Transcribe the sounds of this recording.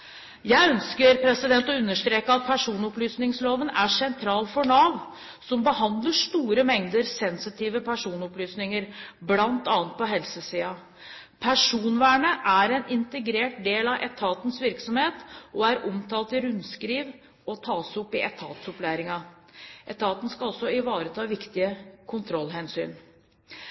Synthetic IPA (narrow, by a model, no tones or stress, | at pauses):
jæɪœnskəɾpʰɾɛsɪd̪ɛnt̪ɔʉnːəʂt̪ɾeːkəɑt̪̚pʰæʂuːnɔplyːsnɪŋsloːʋənæʂɛnt̪ʰɾɑːlfɔɳɑʋ | sɔmbəhɑnd̪ləʂt̪uːɾəmɛŋd̪əɾsɛnsɪt̪ʰiːʋəpʰæʂuːnɔplyːsnɪŋəɾblɑnt̪ɑːnt̪̚pʰɔɦɛlsəsiːɑ | pʰæʂuːnʋæːɳəʔæɾɛnʔɪnt̪əɡɾeːʈ̚d̪eːlɑʔɛt̪ʰɑːt̪ən̩sʋɪɾksɔmheːt̪ɔæɾɔmt̪ʰɑːlt̪ɪɾʉnskɾiːʋ | ɔt̪ʰɑːsɔpːɪʔɛt̪ʰɑːt̪sɔplæːɾɪŋɑ | ʔɛt̪ʰɑːt̪n̩skɑɑlsɔɪʋɑːɾət̪ʰɑːʋɪkt̪ɪəkʰʊnt̪ʰɾɔlːɦɛnsy̰ːn